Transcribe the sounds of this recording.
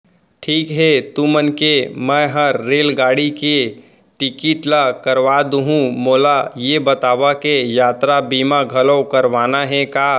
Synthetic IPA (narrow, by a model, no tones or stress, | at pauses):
ʈʰiːkɦɛt̪umənkemɛ̃ɦəɾːeːlɡaːɽike | ʈɪkɪʈlakəɾʋad̪uɦũmoːlajebət̪aːʋakejaːt̪ɾabiːmaɡʱələwkəɾʋaːnaɦɛ̃kaː